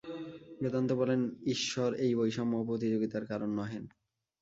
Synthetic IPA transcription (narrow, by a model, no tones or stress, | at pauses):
ʃet̪ant̪obɔleniʃːoɾejbojʃɔmːopɾot̪̬id͡ʑoɡit̪aɾkaɾonːɔɦen